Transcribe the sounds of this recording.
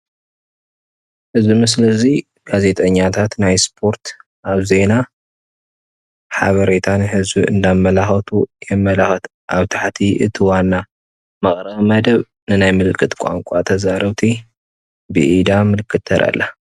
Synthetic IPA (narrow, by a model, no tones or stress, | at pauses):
hɨzbimɨs̬ɨlɐzi | ɡ̥aze̞t̪ʼɐɲːat̪ʰat̪najspʰo̞ɾt̪ | ʔaβze̞na | ħaβɐɾe̞t̪ʰanhɨzbiɨ̰nd̪amːɐlaxɐt̪ʰujɛmːɐlaxɐt̪ | ʔaβt̪ʰaħt̪ʰiʔɨ̰t̪ʰiwanːa | mɐχʼɾɐβmɐd̪ɐβ | nɨnajmɨlɨkʰʼːɨt̪kʷʼa̰ŋkʷʼat̪ʰɐzaɾɐβt̪ʰi | bɨ̰ʔid̪amɨlɨkʰːɨt̪ʰːɐɾʔa̰lːa